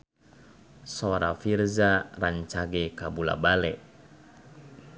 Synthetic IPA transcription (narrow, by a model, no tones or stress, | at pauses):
sɔɾa̰firzaraɲt͡ʃaɡɛkabula̰balɛʔ